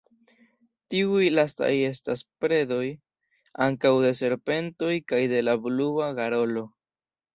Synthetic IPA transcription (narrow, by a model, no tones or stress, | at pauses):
tiujlasta̰je̞staspɾe̞do̞j | aŋkawde̞se̞ɾpe̞nto̞jkajde̞labluaɡaɾo̞lo̞